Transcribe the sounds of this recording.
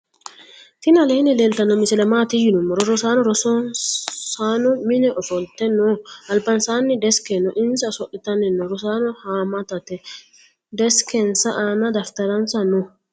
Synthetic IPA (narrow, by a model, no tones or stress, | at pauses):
fɪnɐleːnɪleːlt̪ɐnːɔmɪsɛlɛmaːt̪ɪjɪnʊmːɔɾɔɾɔsaːnɔɾɔsɔnsaːnɔmɪnɛʔɔfɔlt̪ɛnɔɐlpːɐnsaːnːɪd̪ɛskɛnːɔʔɪnsɐsɔʔɪt̪ɐnɪnːɔɾɔsaːnɔhaːmɐt̪ɐt̪ɛ | d̪ɛskɛnsɐʔaːnɐd̪ɐft̪ɐɾɐnsɐnɔ